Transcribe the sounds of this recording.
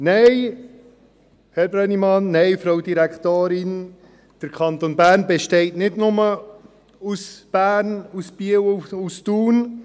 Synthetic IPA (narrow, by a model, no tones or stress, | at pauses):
nɛɪ | hɛɾbɾɛnimɑnːɛɪfɾawdiɾɛkt̪oːɾɪn | d̥əɾkʰɑnt̪onbæːɾnbeʃteɪtnɪdnʊmə | usb̥æːɾnusb̥iəwustuːn